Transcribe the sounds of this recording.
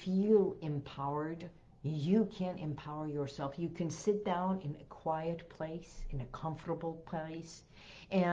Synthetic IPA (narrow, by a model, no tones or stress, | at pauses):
fjəɪ̃mpʰaʊə˞d | jɨkʰæ̃ntɨ̰̃mpʰaʊə˞jə˞sɛlˠfjɨkʰɨ̃nsɪt̚d̥ãʊ̃nɪ̃nɨkʰw̥aɪɨt̚pʰl̥eɪsɨ̃nɨkʰʌ̃ɱftə˞bl̩ˠpʰl̥eɪs | ʔɨ̃